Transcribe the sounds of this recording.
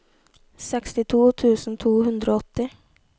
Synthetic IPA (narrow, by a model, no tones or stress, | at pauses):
sɛkst̪ɪt̪ʰuːt̪ʰʉːsn̩t̪ʰuːhʉnd̪ɾoːɔt̪ːɪ